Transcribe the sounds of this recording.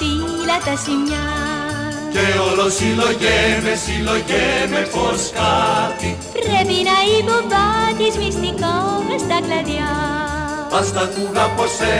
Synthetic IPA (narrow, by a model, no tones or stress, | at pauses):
t̪i | lat̪asiɲa | keolosiloʝemesiloʝemeposkat̪i | pɾeβinaiβoβat̪ismist̪ikoβɾesd̪aɡlaðja | ast̪ak̪uɣapose